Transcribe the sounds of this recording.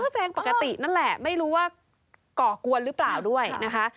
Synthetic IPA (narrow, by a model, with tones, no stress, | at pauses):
ɔ˥˩sɛː˧ŋpa˨˩ka˧t̪i˨˩na˥˩nlɛ˨˩ma˥˩jɾuː˦˥waː˥˩ | kɔː˨˩ku˧ənɾɯː˦˥plaː˨˩wdu˥˩əjna˦˥kʰa˦˥ʔ